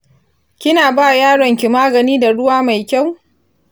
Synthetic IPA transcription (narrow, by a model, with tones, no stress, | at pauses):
kʲɪ˦naː˨baː˦jaː˦ɽɔ˨ŋkʲi˨maː˦ɡɐ˨niː˦da˨ɽʊ˦waː˦ma˨jkʲa˦˨w